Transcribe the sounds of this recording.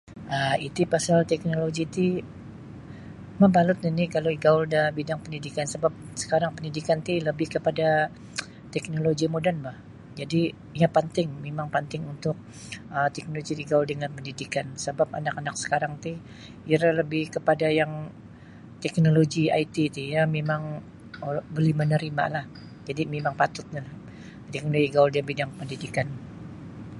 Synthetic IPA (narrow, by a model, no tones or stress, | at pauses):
əit̪ipasalt̪ɛk̚noloɡit̪i | mabalʊt̪̚inikaloiɡaʊldabidaŋpəndidikansəbap̚sə̥kaɾaŋpəndidikant̪iləbɪhkəpada | t̪ɛk̚noloɡimodanbah | d͡ʒadi | japənt̪ɪŋmemaŋpənt̪ɪŋunt̪ʊk̚ | ət̪ɛk̚noloɡidiɡawaldəŋanpəndidikansəbap̚a̰nakanak̚sə̥kaɾaŋt̪ɪh | jaraləbɪhkəpadajaŋ | t̪ɛk̚noloɡiait̪it̪ijamemaŋ | bəlɪhmənəɾima̰lah | d͡ʒadimemaŋpat̪ʊt̪̚ɲalah | t̪ɛk̚noloɡiɡawaldiaŋbidaŋpəndidikan